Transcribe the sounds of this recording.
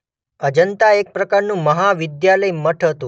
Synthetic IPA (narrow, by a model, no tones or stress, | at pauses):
əd͡ʒənt̪aek̚pɾəkaɾnũməɦaʋɪd̪jaləjməʈʰɦət̪ũ